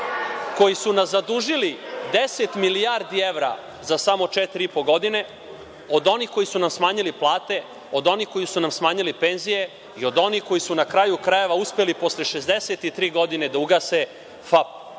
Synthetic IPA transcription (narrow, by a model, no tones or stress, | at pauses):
ko̞jisunaszad̪uʒilid̪eset̪milijaɾd̪ieʋɾa̰ | zasamo̞t͡ʃet̪iɾiipo̞ɡo̞d̪ine̞ | o̞d̪o̞niko̞jisunamsmaːɲiliplˠaːt̪e̞ | od̪o̞niko̞jisunamsmaːɲilipe̞nzije̞ | io̞d̪o̞nihko̞jisunakɾajukɾaje̞ʋauspelipo̞sleʃe̞zd̪eset̪it̪ɾiːɡo̞d̪ine̞d̪auɡase | fap